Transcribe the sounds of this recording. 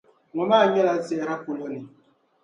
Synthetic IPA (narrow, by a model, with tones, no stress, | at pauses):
ŋɔ˨ma˦˨ɲɛ˦la˨˦sɛ˦˨ɾa˦ku˨lo˦ni˨